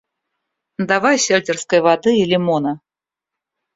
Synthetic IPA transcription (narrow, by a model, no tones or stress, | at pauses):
d̪avajsʲelʲt̪ʲɪrskəjvad̪ɨilʲɪmonə